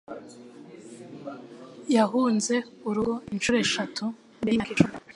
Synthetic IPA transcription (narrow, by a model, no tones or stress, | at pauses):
jaɦuːnze̞uɾuinʃuɾeʃatʰu | nbeakit͡ʃu